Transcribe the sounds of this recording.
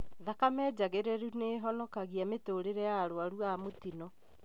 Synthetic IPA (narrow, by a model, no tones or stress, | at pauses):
ðakamɛːd͡ʑaɣeɾɛɾuneɦɔnɔkaɣiametoɾeɾɛjaɾoaɾuamotinɔ